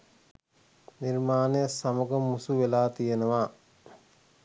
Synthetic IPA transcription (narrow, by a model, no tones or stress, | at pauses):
nirmaːnejəsaməɡəmusuʋelaːt̪ijenəʋa